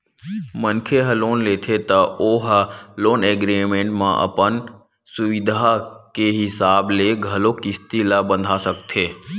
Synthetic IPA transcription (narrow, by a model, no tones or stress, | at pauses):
mənkʰeɦəloːnleːt̪ʰet̪ɐoːɦloːneɡɾimẽːɳʈmã̰ʔɐ̰pən | sʊʋɪd̪ʱakeɦɪsaːbleɡʱɐlokɪst̪ilabə̃nd̪ʱasək̚t̪ʰeː